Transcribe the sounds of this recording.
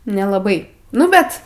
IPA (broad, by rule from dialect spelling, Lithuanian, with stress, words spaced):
nʲɛlˠɐˈbɐɪ ˈnʊ bʲɛt